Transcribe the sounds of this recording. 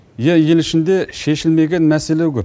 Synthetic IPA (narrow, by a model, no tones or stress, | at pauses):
jejelɪʃɪnd̪eʃeʃɪlmeɡʲenmæseleɡʲɪ